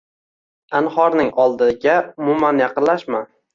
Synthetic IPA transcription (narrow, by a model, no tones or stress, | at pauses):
anhɒɾnɪŋɒlˠd̪ɪɡʲaʊmʊmanjɑqɨnlaʃma